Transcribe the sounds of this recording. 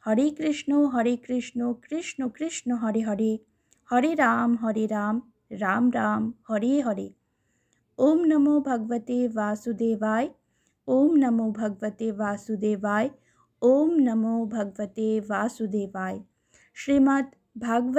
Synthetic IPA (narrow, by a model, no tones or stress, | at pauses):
hɐɾikɾɪʂɳuɦɐɾikɾɪʂɳukɾɪʂɳukɾɪʂɳuɦɐɾiɦɐɾe | hɐɾiɾaːmɦɐɾiɾaːm | ɾaːmɾaːmhɐɾeːɦɐɾi | oːmnɐmoːbʱɐɡʋɐt̪eːʋaːsud̪eːʋaːj | oːmnɐmobʱɐɡʋɐt̪eːʋaːsud̪eːʋaːj | oːmnɐmoːbʱɐɡʋɐt̪eːʋaːsud̪eːʋaːj | ʃɾimɐt̪ | bʱaːɡʋ